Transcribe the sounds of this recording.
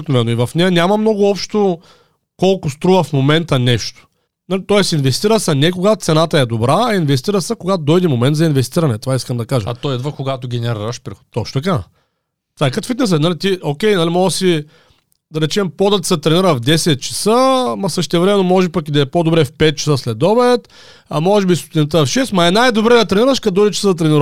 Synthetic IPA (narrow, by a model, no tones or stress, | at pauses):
knovɛnːoivɐfnɛjɐnʲamɐmnɔɡʊɔpʃt̪o | kɔlˠkʊst̪ɾuvɐfmomɛnt̪ənɛʃt̪o̥ | nalit̪ɔɛsinvɛst̪iɾəsɐnɛkoɡat̪t̪sɛnat̪ɐɛd̪obɾaːinvɛst̪iɾəsɐkoɡat̪od̪ɔjd̪imomɛnt̪zɐinvɛst̪iɾɐnɛt̪ovaiskəmd̪ɐkaʒə̰at̪ɔjɛd̪vəkoɡat̪oɡʲɛnɛɾiɾɐʃpɾixo̥t̪ɔʃt̪ot̪ɐka | t̪vakɐt̪o̥vit̪nɛs̬ənalit̪iokʲɛjnalimɔɡəsi | d̪ɐɾɛt͡ʃɛmpod̪ɐt̪sɐt̪ɾɛniɾəvd̪ɛsɛt̪̚t͡ʃɐ̥səmɐsəʃt̪ɛvɾɛmɛnomɔʒɛpɐkid̪ɐɛpod̪obɾɛfpɛt̪̚t͡ʃɐ̥səslɛd̪ɔbɛt̪ | ɐmɔʒɛbist̪o̥t̪ʲinɐt̪əfʃɛst̪mɐɛnajd̪obɾɛd̪ɐt̪ɾɛniɾɐʃkɐd̪ɔjd̪ʲɛt͡ʃɛ̥səzɐt̪ɾɛnʲɛɾ